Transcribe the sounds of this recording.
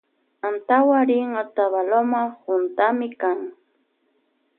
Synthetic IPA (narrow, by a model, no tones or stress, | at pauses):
ant̪awaɾɪŋat̪aβalomahʊnt̪amɪkaŋ